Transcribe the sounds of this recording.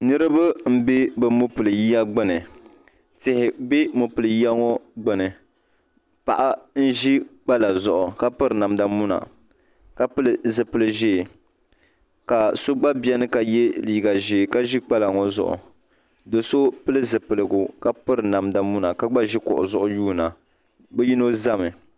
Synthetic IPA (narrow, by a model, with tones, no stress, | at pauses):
nɨ˦ɾɨ˦bɨ˦m̩˦be˦bɨ˨mo˦pɨ˨lɨ˨ji˦ja˦ɡ͡bɛ˦nɨ˨ | tɪ˨hɪ˨be˦mo˨pɨ˨lɨ˨ji˦a˦ŋɔ˦ɡ͡bɨ˦nɨ˨ | pa̰˨ʔa˦n̩˦ʒi˦k͡pa˦la˨zʊ˨ʔʊ˨ka˦pɨ˦ɾɨ˨na˨m˦da˨mu˦na̰˨ | ka˦pɨ˦lzɨ˨pɨ˨lɨ˨ʒeː˦˨ | ka˨so˦ɡ͡ba˦bjɛ˦nɨ˦ka˨jɛ˦liː˨ɡa˨ʒe˨ka˦ʒi˦k͡pa˦la˨ŋɔ˦zʊ̰˨ʔʊ̰˨ | do˨so˦pɨ˦lɨ˦zɨ˨pɨ˨lɨ˨ɡʊ˨ka˦pɨ˦ɾɨ˨na˨mda˨mu˦na˨ka˦ɡ͡ba˦ʒi˦kʊ̰˨ʔʊ̰˨zʊ˨ʔʊ˦juː˦na˨ | bɛ˦ji˦no˦za˦mɨ˨